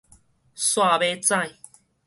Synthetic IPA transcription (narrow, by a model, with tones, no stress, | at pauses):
swa˥˧be˦t͡sã˥˧j